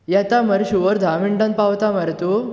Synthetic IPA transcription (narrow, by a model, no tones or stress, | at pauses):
jat̪aməɾɕuʋəɾd̪ʱamiɳɖãnpawt̪aməɾt̪u